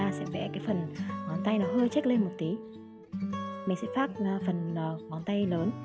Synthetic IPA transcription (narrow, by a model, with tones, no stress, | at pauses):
aː˧sɛ̰˧˥vɛ̰˧˥kaː˨˦jfə˨˩nmɔ˨˩nt̪a˧jnɔ˨˦ɦə˧əjt͡ɕa˦˥k̚le˧nmo˨˩t̚t̪i˨˦ | mi˨˩sɛ̰˧˥faː˦˥t̚ːfə˨˩nə˨˩mɔ˨˩nt̪a˧jləː˨˦n